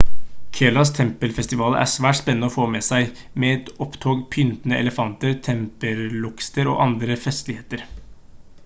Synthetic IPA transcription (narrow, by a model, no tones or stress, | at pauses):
kʰeːlɑst̪ʰɛmpəlfɛst̪ɪʋɑːlə̰ʔæ̰sʋæːʈspɛnənəɔfoːmɛsæɪ | mɛɛt̪ɔpt̪ʰoːɡpʰʏnt̪nəʔɛ̰ləfɑnt̪əɾt̪ʰɛmpəɾlʊkst̪əɾɔ̰ʔɑnd̪ɾəfɛst̪lɪheːt̪əɾ